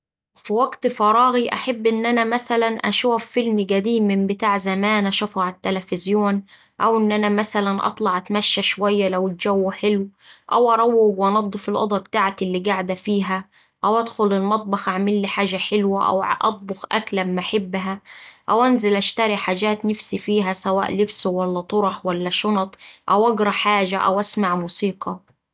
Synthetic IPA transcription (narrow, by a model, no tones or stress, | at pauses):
fiwæɡt̪fɑɾˤɑːɣiʔa̰ħabːʔɪnːʔænæmæsælænʔæ̰ʃuːfːɪlmiɡæd̪iːmɪmbɪt̪aːʕzæmæːnʔæʃɑfɑʕɪt̪ːælæfɪzjoːn | ʔæwʔɪnːʔænæmæsælænʔɑ̰t̪ˤlɑʕʔæt̪mæʃːæʃowæjːælæwɪld͡ʒæwːħelwʔæ̰wʔɑɾˤɑwːɪɡwʔɑnɑd̪ˤːɨfɪlʔɑ̰d̪ˤɑbt̪aːʕt̪lːiɡaʕd̪æfiːɦæ | ʔæwʔæd̪xʊlɪlmɑt̪̚ˤbɑxʔaʕmɪlːiħaːʒæħɪlwæʔæ̰wʕʔɑ̰t̪̚ˤbʊxʔæ̰klæmːaħɪbːɦæʔæwʔænzɪlʔæʃt̪æɾiħaːd͡ʒæːt̪nɪfsifiːɦæsæwa̰ːʔlɪbswælːæt̪ˤoɾˤɑħwælːæʃonɑt̪ˤʔæwʔɑɡɾˤɑħaːʒæʔæ̰wʔæsmaʕmuːsiːqʰɑ